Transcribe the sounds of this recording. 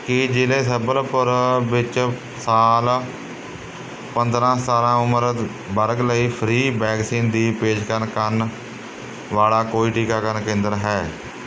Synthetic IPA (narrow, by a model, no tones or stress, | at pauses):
kɪd͡ʒɪlẽːsəbəlpəɾʋɪt͡ʃ | saːl | pənd̪ɾãːst̪aːlãːʊməɾ | bəɾɡləiːpʰɾiːbɛːɡsiːnd̪iːpeːd͡ʒkəɾnkən | ʋaːlaːkoːiːʈiːkaːkəɾnkẽːnd̪əɾɦɛː